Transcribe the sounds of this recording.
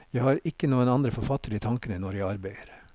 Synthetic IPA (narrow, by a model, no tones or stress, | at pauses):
jæɪhɑːɾɪkːənuːənɑnd̪ɾəfɔɾfɑt̪əɾiːt̪ʰɑŋkənənɔɾjæɪɑɾbæɪəɾ